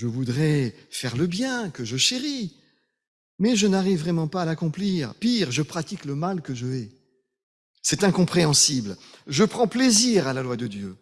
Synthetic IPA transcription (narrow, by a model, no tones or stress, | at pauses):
ʒəvud̪ʁɛfɛʁləbjɛ̃kəʒəʃeʁi | mɛʒənaʁivːʁɛmɑ̃paːlakɔ̃pliʁpiʁʒəpχat̪ikləmalkəʒəɛ | sɛt̪ɛ̃kɔ̃pχeɑ̃siblʒəpχɑ̃pleziʁalalwad̪əd̪jø